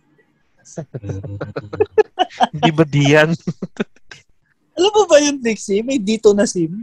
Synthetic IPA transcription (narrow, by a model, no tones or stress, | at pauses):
hɪnd̪iːbɐd̪iːjɐn | ʔɐlɐmːobɐjʊnbɪksɪmɐjd̪iːt̪onɐsɪm